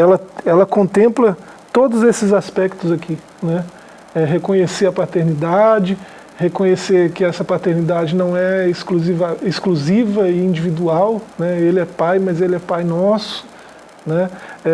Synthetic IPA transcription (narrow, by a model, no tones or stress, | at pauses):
ɛlɐɛlɐkõnt̪ẽmplɐ | t̪od̪ʊzesɪzaspɛk̚t̪ʊzakʰi | nɛ | ɛɦekõɲeseɾɐpat̪eɾnid̪ad͡ʒɪ | hekõɲeseɾkɪɛsɐpat̪eɾnid̪ad͡ʒɪnɐ̃w̃ɛɪskluzivɐeskluzivɐiĩd͡ʒivid̪uawnɛelɪɛpajmɐzelɪɛpajnɔsʊ̥ | nɛɛ